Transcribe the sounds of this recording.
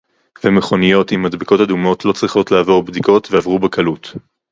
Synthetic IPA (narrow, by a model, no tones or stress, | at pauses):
vemeχo̞nijo̞thimːadbiko̞thadumo̞tlo̞t͡sʁiχo̞tlaavo̞ʁbdiko̞tveavʁubekʰalut